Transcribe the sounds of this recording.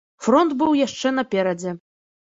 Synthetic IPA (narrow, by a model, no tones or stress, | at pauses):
fɾɔnt̪bɨwjaʂt͡ʂɛnɐpʲɛɾɐd͡zʲɛ